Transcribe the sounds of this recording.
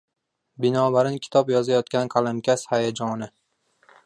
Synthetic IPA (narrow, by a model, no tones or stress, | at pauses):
bɪnɒːbaɾɪŋkʲʰɪ̥t̪ʰɒpjɒzajɒt̪̚kʲankʰalˠamkʲashajad͡ʒɒnɪ